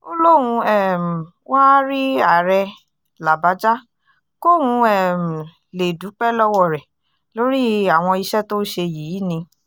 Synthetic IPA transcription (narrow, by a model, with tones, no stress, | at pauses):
o˦lo˦w̃ũ˧ɛ˦˨m̩˨ | wa˦ɾi˦a˦˨ɾɛ˧ | la˨ba˨˦d͡ʒa˦ | ko˦wũ˧ɛ˦˨m̩˨ | le˨du˨˦k͡pɛ˦lɔ˦wɔ˦˨ɾɛ˨ | lo˧˦ɾi˦a˨w̃ɔ̃˧i˧ʃɛ˦to˦ʃe˧ji˨˦nĩ˧